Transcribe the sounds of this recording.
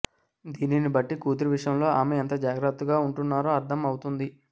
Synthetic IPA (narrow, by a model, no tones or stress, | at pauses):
d̪iːninibɐʈːikuːd̪uɾuʋiʂjɐmlo̞ːaːmeɐnt̪ɐd͡ʒaːɡɾɐt̪ːuɡaːuɳʈunːaːɾoːɐɾt̪ʰɐmɐwut̪und̪i